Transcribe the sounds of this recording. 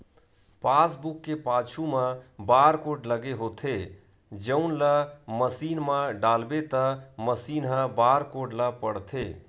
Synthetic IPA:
pasbukːepat͡ʃʰumə̃baɾkoʈləɡeɦot̪ʰe | d͡ʒəʊnləməsinməɖalbet̪əməsinɦə̃baɾkoʈləpəɽt̪ʰe

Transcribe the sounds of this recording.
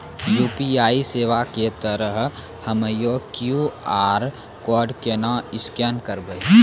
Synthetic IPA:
juːpiaːiseːʋaket̪əɾəɦ | həməjokjuaːɾ | kɔːɾɖkenãɪskɛːnkəɾbe

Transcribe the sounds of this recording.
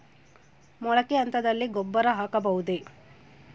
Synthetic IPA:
mɔɭɐkeɐnt̪ɐd̪ɐlːiɡɔbːɐɾɐɦaːkɐbɐɦud̪e

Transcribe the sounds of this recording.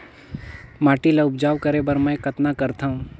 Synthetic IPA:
maːʈilɐʊpd͡ʒaːʋkəɾebəɾmɛ̃kət̪nakɐɾt̪ʰaũ

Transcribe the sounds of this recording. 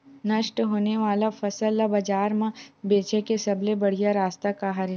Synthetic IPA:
nɐʃʈɦoːneʋaːlafɐsəlːabɐd͡ʒaːɾmãbeːt͡ʃekesɐblebɐɽ̤ijaɾaːst̪akaɦɐɾi

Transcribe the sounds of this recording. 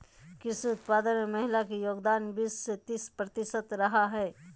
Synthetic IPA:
kɪsʊt̪paːd̪ənmemɐɦɪlakijoːɡd̪aːnbɪsːet̪ɪspɾɐt̪ɪʃət̪ɾɐɦaɦɛː

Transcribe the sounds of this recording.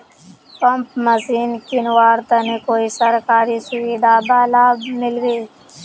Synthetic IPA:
pɐmpmɐsiːnkinwaːɾt̪ɐnekoːisɐɾkaːɾisʊwiːd̪abaːlaːbmɪlɡəi

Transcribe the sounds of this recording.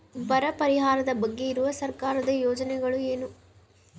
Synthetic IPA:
ʋɐɾɐpɐɾɪɣaːɾɐðɐbɐɡːiɪɾɯʋɐsɐɾkaːɾɐðɯjoːd͡ʒɐnɐɪɣɐɭɯeːnɯm

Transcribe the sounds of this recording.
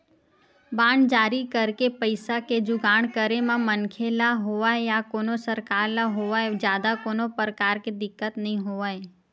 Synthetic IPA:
baːɳɖd͡ʒaːɾikəɾkepəɪsaked͡ʒʊɡaːɳkəɾemãmənkʰelaɦoʋaejakoːnosəɾkaːɾlaɦoːʋaed͡ʒjaːd̪akoːnopəɾkaːɾked̪ɪkːət̪nɐɦĩɦoːʋae

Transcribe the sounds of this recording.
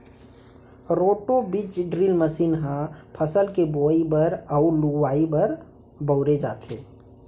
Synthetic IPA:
ɾoːʈobit͡ʃɖɾiːlməsiːnɦãpʰəsəlkeboːibəɾəʊluwaːibəɾ | bəʊɾed͡ʒa̰ːt̪ʰḛː

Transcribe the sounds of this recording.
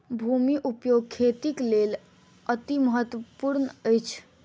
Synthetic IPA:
bʱumiʔupjoɡ̚kʰːet̪iklel | ət̪iməɦət̪wəpuɾnəjt͡ʃʰ

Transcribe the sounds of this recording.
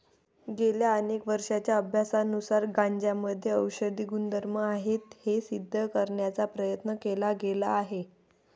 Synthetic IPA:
ɡeljaənekʋəɾʂat͡ɕjaəbʱjasanusaɾɡãɲd͡ʑjaməd̪ʱjeəwɕəd̪iːɡund̪əɾməaɦet̪hesid̪ʱːəkəɾɳjat͡sapɾəjət̪nəkelaɡelaːɦe

